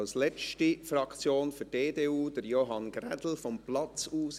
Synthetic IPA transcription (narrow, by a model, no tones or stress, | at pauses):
lslɛt͡stifrɑkt͡sjoːnfyɾdeːdeːuːd̥əɾjoɦɑnɡrɛdl̩fɔmplɑt͡suːs